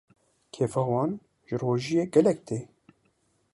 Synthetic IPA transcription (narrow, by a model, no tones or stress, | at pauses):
kʰeːfɑːwɑːn | ʒ̥əroːʒijeːɡɛlɛk̚t̪eː